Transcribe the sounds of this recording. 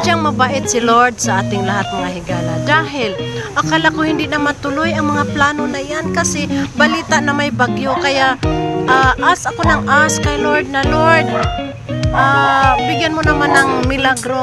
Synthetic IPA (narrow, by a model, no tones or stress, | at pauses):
d͡ʒaŋmɐbaːʔɪt̪̚sɪloɹd̪̚saʔaːt̪ɪŋlaɦat̪̚mɐŋaɦɪɡaːla̰d̪aɦɪlʔakalakohɪnd̪ɪʔnamat̪ʊlojɐŋmɐŋaplaːnonaʔɪjankasɪbaliːt̪aʔnamajbaɡjokajaʔʔaʔasakonaŋʔaskajloɹd̪̚naloɹd̪̚ | ʔabɪɡjanmonɐmanaŋmɪlaɡɾo